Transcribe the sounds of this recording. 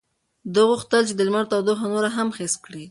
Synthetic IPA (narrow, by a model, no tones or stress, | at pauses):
d̪əɣuxt̪əlt͡ʃed̪əlmaɽt̪awd̪oxanoɾaɦamxest̪̚kɽi